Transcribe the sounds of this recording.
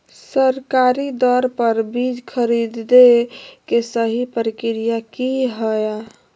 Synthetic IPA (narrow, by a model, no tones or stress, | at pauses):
səɾkaɾid̪ɔɾpəɾbid͡ʒkʰəɾid̪d̪ekesəɦipəɾikɾijakiɦəja